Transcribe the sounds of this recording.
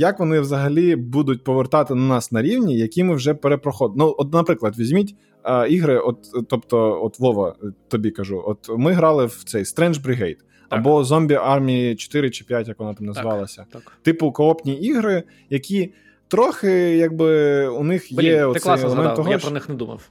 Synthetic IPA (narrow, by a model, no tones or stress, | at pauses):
jɐkʋɔnɪʋzɐɦɐlʲibud̪ʊtʲpɔʋert̪ɑt̪ɪnɐnɑsnɐɾʲiwnʲijɐkʲimɪwʒɛpeɾepɾɔxɔd̪nuɔt̪nɐpɾɪklˠɐd̪ʋʲizʲmʲitʲː | iɦɾɪʔɔt̪t̪ɔpt̪ɔɔt̪lˠɔʋɐt̪ɔbʲikɐʒuʔɔt̪mɪɦɾɑlˠɪwt̪sɛjst̪ɾɛnʒbɾʲɪɦɛjt̪ | ɐbɔzɔmʲbʲiʔɑrmʲijit͡ʃɔ̥t̪ɪɾɪt͡ʃɪ̥pʲjatʲjɐkʋɔnɑt̪ɑmnɐzʋɑlˠɐsʲɐ | t̪ɪpʊkɔɔpnʲiiɦɾɪ | jɐkʲi | t̪ɾɔxɪjɑɡ̚bɪunɪxjɛɔjelˠemmɛnɔɦɔɾnɪxnɛd̪umɐ̰w